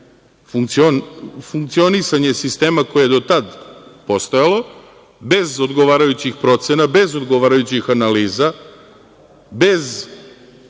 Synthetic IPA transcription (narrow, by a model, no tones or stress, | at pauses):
fuŋkt̪sionfuŋk̚t̪sio̞nisaɲe̞sist̪e̞ːmako̞jejed̪o̞t̪ad̪po̞st̪ojalˠo̞ | be̞zo̞d̪ɡo̞ʋaːɾajut͡ɕixpɾo̞t̪se̞nabe̞zo̞d̪ɡo̞ʋaːɾajut͡ɕixanaliːza | be̞z